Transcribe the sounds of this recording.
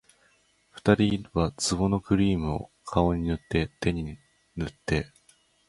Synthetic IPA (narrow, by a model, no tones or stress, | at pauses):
ɸɯ̟̥t̪aɾʲiβat͡sɨβo̞no̞kɯ̟ɾʲiːmɯ̟o̰kʰao̞ɲ̟inɯ̟t̪ːe̞t̪e̞ɲ̟i | nɯt̪ːe̞